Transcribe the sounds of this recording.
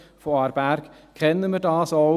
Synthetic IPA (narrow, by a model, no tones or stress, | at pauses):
foɑɾbæɾk | kʰɛnːəməɾdɑːsɔ